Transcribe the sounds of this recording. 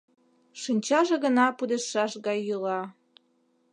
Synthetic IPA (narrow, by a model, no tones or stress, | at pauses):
ʃinʲt͡ɕɑʒĕɣə̆nɑpud̪eʃːɑʃɣɑjːulɑ